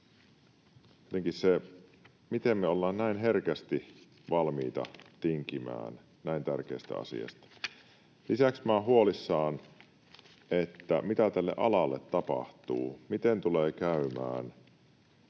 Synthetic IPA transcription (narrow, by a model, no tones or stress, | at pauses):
iet̪eŋkisse | mit̪emːeolːɑːnnæinɦerkæst̪i | ʋɑlmiːt̪ɑ̰t̪iŋkimæ̰ːn | næint̪ærk̟eist̪æ̰ɑ̰sḭɑ̰st̪ɑ̥ | lisæksmæːɦuolisːɑːn | ʔet̪ːæ̰mit̪æt̪ælːḛʔɑ̰lɑlːet̪ːɑpɑ̰ht̪uːmit̪ent̪uleːkæymæ̰ːn